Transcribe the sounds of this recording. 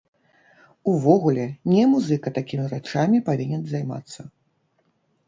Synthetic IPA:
uvɔɣulʲɛnʲɛmuzɨkɐt̪akʲimʲiɾat͡ʂamʲipavʲinʲɛnzajma̰t̪sːɐ

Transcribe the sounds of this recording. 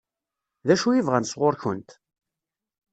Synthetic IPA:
ðæʃujivʁænsʁoɾçənt̪

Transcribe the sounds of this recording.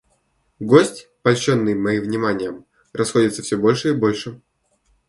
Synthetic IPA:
ɡosʲtʲ | pɐlʲɕonːɨjmɐivnʲɪmanʲɪjəm | rɐsxo̞dʲɪt̪səfsʲobo̞lʲʂɨibo̞lʲʂɨ

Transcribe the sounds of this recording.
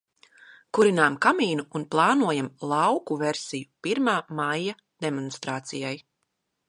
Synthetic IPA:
kuɾinaːmkamiːnuːnplˠɑːnuɔjamlˠɑwkuvɛɾsijupiɾmaːmajːa | d̪emɔnst̪ɾaːt̪sijaj

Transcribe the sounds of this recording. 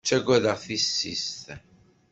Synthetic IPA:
t͡ʃːæɡæðaʁθisːist̪

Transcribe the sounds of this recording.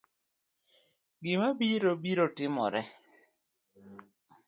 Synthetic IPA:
ɡɪmabiɾobiɾotɪmɔ̰ɾɛ

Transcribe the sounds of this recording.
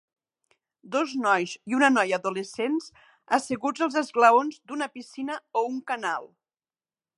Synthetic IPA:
d̪oznɔjziunənɔjəːðuləsens | əsəɣud͡zəlˠzəzɣləonzd̪unəpisinəouŋkənalˠ

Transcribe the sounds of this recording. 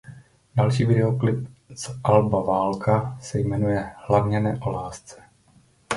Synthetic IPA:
dalʃiːvɪdɛoklɪp̚zʔalbavaːlkʰasɛjmɛnujɛhlavɲɛnɛːʔo̞laːst͡sɛ̥

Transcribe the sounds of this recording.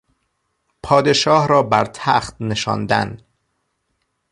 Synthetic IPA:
pʰɒːd̪e̞ʃɒːhɾɒːbæɾt̪ʰæχt̪ne̞ʃɒ̰ːnd̪æ̰n

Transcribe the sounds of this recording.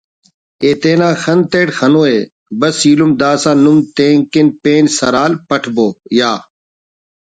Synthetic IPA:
eːt̪eːnãːxɐnt̪eːʈxɐnoːeː | bɐsiːlumd̪aːsãːnumt̪ẽːŋkinpeːnsɐɾaːlpɐʈʰboːjaː

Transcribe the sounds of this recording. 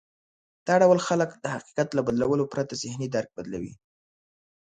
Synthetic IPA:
d̪̥ɑɽawəlxaləkd̪əhaqi̥qat̪labad̪lawəlopɾat̪azɪhnid̪aɾk̚bad̪lawḭ

